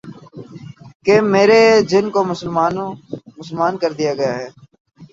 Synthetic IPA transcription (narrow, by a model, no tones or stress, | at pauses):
kemeːɾed͡ʒɪnkoːmʊsəlmaːnomʊsəlmaːnkəɾd̪ijaːɡəjaɦɛː